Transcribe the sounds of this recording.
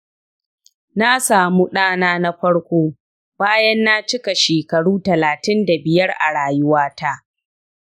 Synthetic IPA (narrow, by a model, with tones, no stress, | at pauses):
na˦saː˨mu˦ɗaː˦naː˦na˦ɸɐ˦ɽkʷoː˦ | b̥aː˦jɐ˦nːa˦t͡ʃɪ˦ka˨ʃeː˨kɐ˨ɽuː˦tɐ˨laː˨tɪ˦nda˨bɪ˨jɐ˦rʔa̰˨ɽaː˨jʊ˦waː˦ta˦ʔ